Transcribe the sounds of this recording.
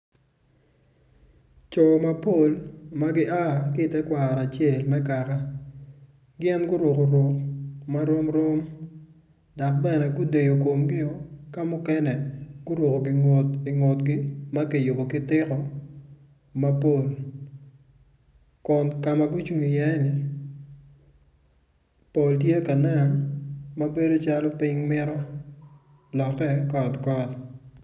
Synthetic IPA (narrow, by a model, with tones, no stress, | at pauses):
t͡ʃɔ˨ma˨po˦˨lma˦ɡɪ˦ʔa˦ɡɪ˦˨tɛ˦kwa˨ɾa˨t͡ʃe˦˨lmɛ˦ka˨ka˦ | ɡjɛ˦nɡʊ˦ɾo˨ko˨ɾwo˨kma˦ɾo˦mɾo˦m | da˨k̚bɛ˦nɛ˨ɡʊ˦de˨jo˨ko˨mɡɪ˦o˦ka˦mʊ˦kɛnɛ˨ɡ̥ʊ˦ɾwo˨ko˨ɡɪ˨ŋo˨ti˨ŋo˨tɡɪ˦ma˦ke˨jo˨bo˨kɪ˦tɪ˦kɔ˦ | ma˦po˨l | kʊ˨nka˨ma˨ɡʊ˦t͡ʃu˨ŋi˨jɛ˦nɪ˨ | po˨lt̬je˦ka˨na˦˨nmɐ˦be˦do˦t͡ʃa˦lɔ˦pɪ˦ŋmɪ˦ɾɔ˦ | lɔ˨kɛ˦kɔ˨tkɔ˦t